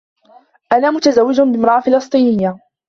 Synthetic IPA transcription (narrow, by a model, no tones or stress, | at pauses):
ʔanaːmʊt̪azawːɪd͡ʒʊbɪmɾˤɑʔafɪlɑsˤt̪ˤiːnɪjːa